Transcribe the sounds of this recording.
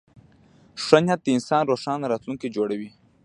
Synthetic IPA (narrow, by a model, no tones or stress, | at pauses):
ʂanjat̪̚d̪əɪnsɑnɾoʂɑnɾɑt̪luŋked͡ʒoɽawi